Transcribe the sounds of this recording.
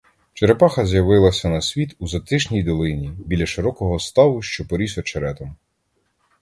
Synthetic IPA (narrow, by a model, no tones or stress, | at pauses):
t͡ʃeɾepɑxɐzjɐʋɪlˠɐsʲɐnɐsʲʋʲit̪uzɐt̪ɪʃnʲijd̪ɔlˠɪnʲibʲilʲɐʃɪɾɔkɔɦɔst̪ɑʋʊʃt͡ʃɔpɔɾʲisɔt͡ʃeɾɛt̪ɔm